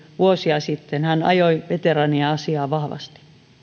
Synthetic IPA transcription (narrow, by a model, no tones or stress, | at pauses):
ʋuosiɑsit̪ːenhænɑ̰joiʋet̪erɑniɑɑsiɑːʋɑhʋɑ̰st̪i̥